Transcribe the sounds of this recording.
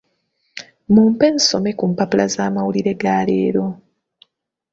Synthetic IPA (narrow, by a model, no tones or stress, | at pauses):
muːmpe̞niso̞me̞kumpapula̰zaːmawuliɾe̞ɡaːlḛːɾo̞